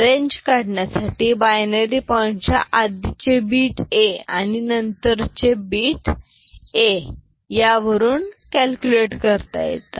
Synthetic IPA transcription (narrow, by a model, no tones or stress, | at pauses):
ɾeɲd͡ʑkaɽɳjasaʈiːbajneɾipəɳt͡ɕa̰ʔad̪it͡ɕebiːʈea̰ñinənt̪əɾt͡ɕebiːʈ | e | jaʋəɾuːnkælkjuleʈkəɾt̪a̰jḛt̪a